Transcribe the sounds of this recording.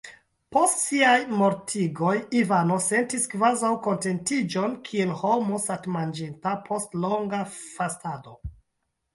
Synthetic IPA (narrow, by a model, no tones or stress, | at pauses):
po̞stsiajmo̞ɾtʰiɡo̞jivano̞se̞ntiskvazawko̞nte̞ntid͡ʒo̞nkʰielho̞mosatmand͡ʒintapʰo̞stlo̞ŋɡafastado̞